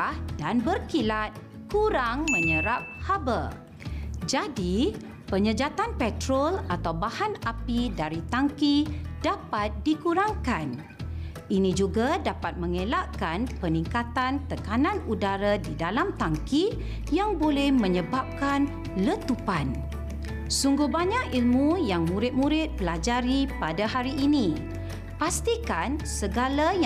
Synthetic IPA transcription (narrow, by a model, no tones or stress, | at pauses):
hdanbərkilat̪̚ | kuɾaŋmə̃ɲəɾap̚habə | d͡ʒadi | pəɲəd͡ʒat̪anpɛt̪ɾolat̪awbahanapidaɾit̪aŋkidapat̪̚dikuɾaŋkan | ʔinĩd͡ʒuɡadapat̪̚mə̃ŋẽlaʔkanpənĩŋkat̪ant̪əkanãnudaɾadidalamt̪aŋki | jaŋbolɛhmə̃ɲəbap̚kan | lət̪upan | suŋɡuhbaɲakilmujaŋmũɾɪt̪̚muɾɪt̪̚pəlad͡ʒaɾipadahaɾiʔinĩ | past̪ikansəɡalaj